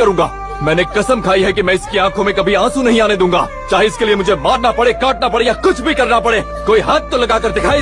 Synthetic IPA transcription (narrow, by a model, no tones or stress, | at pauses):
ɐɾũːŋɡaː | mɛ̃ːnekɐsəmkʰaːiɦɛk̬imɛ̃ːɪskiãːkʰõmẽkɐbʱiãːsũnɐɦĩaːned̪ũːŋɡa̰ː | t͡ʃaːɦeɪskeliemʊd͡ʒʱemaːɾnapɐɽekaːʈ̚napɐɽejakʊt͡ʃʰbʱikɐɾnapɐɽeː | koːiɦaːt̪̚t̪olɐɡakɐɾd̪ekʰaːe